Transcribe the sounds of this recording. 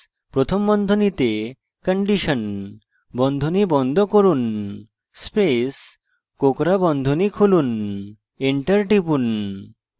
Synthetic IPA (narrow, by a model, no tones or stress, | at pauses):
pɾot̪ʰombɔnd̪ʱonit̪e | kəɳɖiʃən | bɔnd̪ʱonibɔnd̪ʱokoɾun | spes | kokɾabɔnd̪ʱonikʰulun | eɳʈəɾʈipun